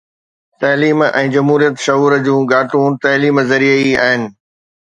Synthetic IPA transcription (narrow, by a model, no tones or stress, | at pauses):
t̪ɐːliːmɛ̃ːd͡ʑɐmɦuːɾijət̪ʃɐɦuːɾd͡ʑũːɡaːʈũt̪ɐːliːmzɐɾiəia̰ːɦɪnɪ̆